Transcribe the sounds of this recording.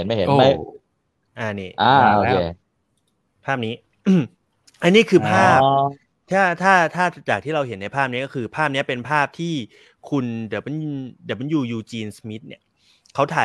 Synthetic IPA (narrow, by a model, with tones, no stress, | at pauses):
nma˥˩jɦe˩˦oma˥˩ | ʔa˧niː˥˩ʔaː˧oo˧kʰeː˧ | pʰaː˥˩p̚niː˦˥ | ʔ | ʔa˧niː˥˩kʰɯː˧pʰaː˥˩p | t̪ʰaː˥˩t̪ʰaː˥˩t̪ʰaː˥˩t͡ɕaː˨˩k̪̚ʰiː˥˩ɾa˧whe˩˦nːa˧jpʰaː˥˩p̚ni˦˥kɔ˥˩kʰɯː˧pʰaː˥˩p̚ni˦˥ɐpe˧npʰaː˥˩p̚t̪ʰiː˥˩ | kʰu˧nd̪i˨˩˦wma˧nd̪i˨˩˦ma˧njuː˨˩juː˧˩t͡ɕiː˧nsmi˦˥t̪̚nḭ˥˩ɐ | kʰa˦˥wt̪ʰaː˨˦